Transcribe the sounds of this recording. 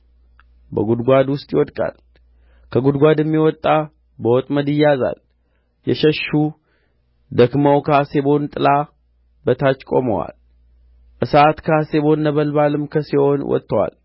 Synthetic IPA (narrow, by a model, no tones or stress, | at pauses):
bəɡud̪ɡʷad̪wʊst̪ʼjɪwɔd̪kʼa̰l | kʰəɡud̪ɡʷad̪ɛmːiwɔt̪ʼːa | bəwɔt̪ʼməd̪ɪjːaza̰l | jɛʃəʃːu | d̪əkməwkʰsebo̞nt̪ʼɨla | bət̪ʰat͡ʃːkʼo̞̰mə̰wa̰l | ʔɨsat̪kʰəase̞βo̞nːəβəlbalɨmkʰəsiho̞nwɔ̰t̪ʼːəwa̰l